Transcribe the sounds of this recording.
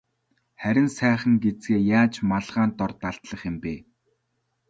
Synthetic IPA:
χæɾʲɪ̆nsæːχə̆ŋɡet͡sɡeːjaːt͡ɕmaɮʁaːnt̪ɔrt̪aɮt̪ɮə̆χjɪ̆mpeː

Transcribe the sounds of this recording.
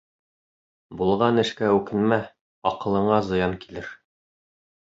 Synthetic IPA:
bulˠʁɑnɘ̆ʃkæʉkɘ̆nmæ | ɒqɤ̆lˠɤ̆ɴɑzɤ̆jɑŋkilɘɾ

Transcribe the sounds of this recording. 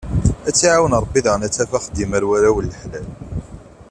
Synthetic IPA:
æt͡sːiʕawənɾˤəbːiðʁənæt͡sːæfaχəd̪ːiməɾwæɾæwəlːəħlæl

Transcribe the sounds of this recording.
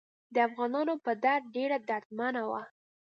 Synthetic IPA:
d̪əafɣɑnɑnopəd̪aɾ̚ɖeɾad̪aɾt̪manawa̰

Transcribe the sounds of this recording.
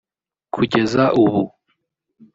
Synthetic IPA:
kʰuɟe̞zaʔuβu

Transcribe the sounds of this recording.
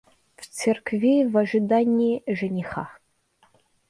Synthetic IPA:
ft͡sʰerkʰvʲejvɐʒɨd̪anʲiːʒɐnʲiχa

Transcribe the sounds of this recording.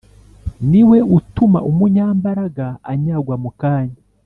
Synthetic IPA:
niwe̞utuma̰ʔumuɲaːmbaɾaɡaːɲaɡwamukaːɲa

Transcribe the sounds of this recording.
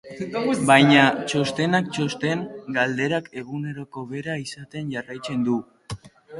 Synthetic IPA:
bajɲat͡ʃo̞st̪e̞nak̚t͡ʃo̞st̪e̞ŋɡald̪e̞ɾake̞ɣune̞ɾo̞ko̞βe̞ɾaisat̪e̞nʝarajt͡se̞nd̪u

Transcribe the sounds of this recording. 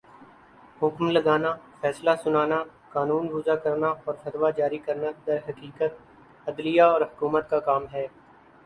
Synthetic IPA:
hʊkmlɐɡaːnafɛːslasʊnaːna | kaːnuːnbʊzakɐɾnaɔːɾfɐt̪ʋad͡ʒaːɾikɐɾnad̪ɐɾɦɐkiːkət̪̚ | ɐd̪lijaɔːɾɦʊkuːmət̪kakaːmɦɛː

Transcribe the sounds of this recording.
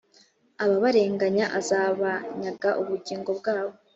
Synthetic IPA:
aβaβaɾe̞ːŋɡaɲaʔazaːβaɲaɡaʔuβuɟiːŋɡo̞bɡaːβo

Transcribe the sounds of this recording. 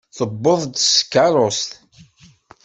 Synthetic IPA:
θəbːoðˤd̪skːaɾˤost̪

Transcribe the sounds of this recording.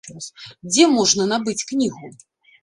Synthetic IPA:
sd͡zʲɛmɔʐnɐnabɨt͡sʲknʲiɣu

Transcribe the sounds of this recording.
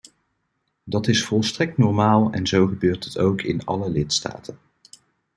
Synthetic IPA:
dɑtɪsfɔlˠstrɛk̚tnɔɹmaːlˠɛ̰nzowχəbøːɹtɦətowkʰɪnɑ̰ləlɪtsta̰ːtən

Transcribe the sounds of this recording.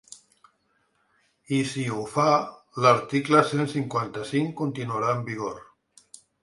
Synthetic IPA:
isiufa | ləɾt̪ikləsensiŋkwant̪əsiŋkunt̪inuəɾaəmbiɣ̞oɾ

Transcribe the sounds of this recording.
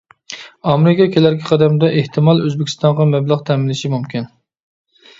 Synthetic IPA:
ɑmeɾɪkʰʲɑkʲʰelæɾɡʲɛqʰɑd̪æmd̪ɛʔeht̪ʰɪmɑlˠøzbɪkʲʰi̥st̪ɑɴʁɑmæblˠɑʁt̪ʰæmɪlɪʃimumkʲin

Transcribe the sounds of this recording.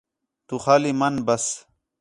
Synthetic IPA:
t̪uxaːlimɐnbɐs

